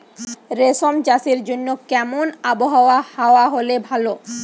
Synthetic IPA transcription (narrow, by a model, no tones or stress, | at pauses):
ɾesomt͡ɕasiɾd͡ʑonːokɛmonaboɦaoahaoaɦolebʱalo